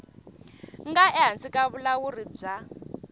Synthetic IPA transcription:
ŋɡaɛɦansikʼaβulawurib͡ʐa

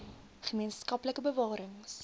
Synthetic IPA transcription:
χəmiənskɐpləkəbəvɑːɾəŋs

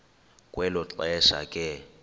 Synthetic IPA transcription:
kʼwɛlʊt͡ɬʼɛʃa̰kʼɪ

